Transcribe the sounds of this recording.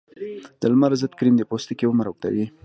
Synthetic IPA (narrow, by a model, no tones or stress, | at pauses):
d̪̥əlmaɾzət̪kɾimd̪epost̪ekewəmaɾok̚t̪a̰wi